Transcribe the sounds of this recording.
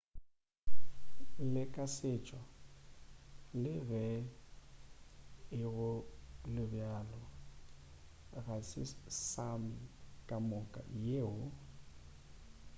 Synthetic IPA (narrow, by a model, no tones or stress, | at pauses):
lɪkʼasɪt͡ʃʼwa | lɪbɛ | ɪɣʊlɪbjalɔ | ɣasɪsamɪkʼamʊkʼa̰jeːʊ